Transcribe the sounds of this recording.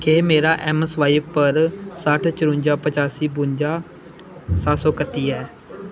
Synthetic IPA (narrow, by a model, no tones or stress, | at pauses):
keːmeːɾaːʔɛːmɛsʋaːiːʋpəɾsəʈʰt͡ʃəɾʊ̃ɲd͡ʒaːpət͡ʃaːsiːbʊɲd͡ʒaː | saːsõːkət̪iːɛː